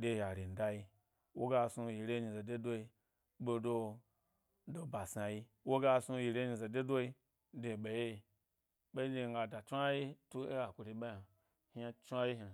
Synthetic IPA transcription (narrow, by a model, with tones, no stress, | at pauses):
de˦ja˨ɾi˨n̩˨da˧ji˧ | wo˦ɡa˧su˧ji˨ɾe˦ɲi˧za˨de˦do˦i˧ | ɓo˧do˧ | do˧ba˨sa˧ji˧ | wo˦ɡa˧su˧ji˧ɾe˦i˧za˨de˦do˦i˧ | de˧˨ɓe˨je˦i˧˨ | ɓe˦i˦de˧ŋ˦ɡa˧da˨t͡ʃʷa˦ji˦tu˦e˦ɡa˨kʷu˧ɾi˧˦ɓa˦a˨ | ha˧t͡ʃu˦a˦ji˦ɦa˨